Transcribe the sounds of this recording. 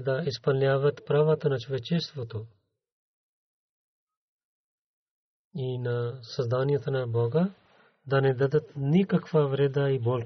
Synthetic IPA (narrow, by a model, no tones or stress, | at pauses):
d̪aispɐlnʲaːʋat̪pɾaʋat̪anat͡ʃuʋɛt͡ʃɛst̪vot̪o | inasazd̪anijat̪anabɔɡa | d̪anɛd̪ad̪at̪nikakvavɾed̪aibol